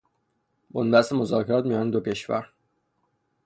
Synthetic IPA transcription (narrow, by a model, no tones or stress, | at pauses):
bonbæst̪emo̞zɒːkʰeɾɒːt̪mijɒːned̪ocʰe̞ʃvæ̰ɾ